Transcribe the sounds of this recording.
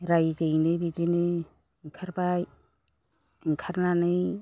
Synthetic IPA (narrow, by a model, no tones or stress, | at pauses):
ɾajzɯjnɯbid͡ʒinɯ | ŋkʰaɾbaj | iŋkʰaɾnanɯj